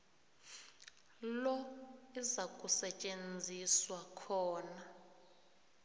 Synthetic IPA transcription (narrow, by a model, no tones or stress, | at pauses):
lɔizakʼusɛt͡ʃʼend͡zʱiswakʰɔːna